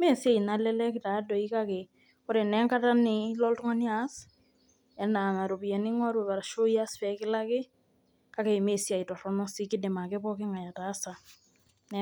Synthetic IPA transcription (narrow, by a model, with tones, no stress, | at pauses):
me˦si˦a˦i˨na˨lɛ˦lɛ˦kɪ˦ta˨˦dɔ˨i˦ka˦kɛ˨ | kʊ˦ɾe˨nɛ˦ŋka˦ta˦nɪ˨lɔ˦ltu˦ŋa˦ni˦a˦s | ɛ˨na˨ŋa˨ɾo˨bi˨ɛ˨nɪ˦ŋɔ˦ɾo˨βa˨ɾa˨ʃo˦ja˦sfɛ˨kɪ˦la˦kɪ˦ | ka˦kɛ˨me˦si˦a˨i˨tɔ˨ɾɔnɔ˦si˦kɪ˦de˨ma˨kɛ˦bɔ˦ke˦ŋa˨ja˨ta˨˦sa˨ | nɛ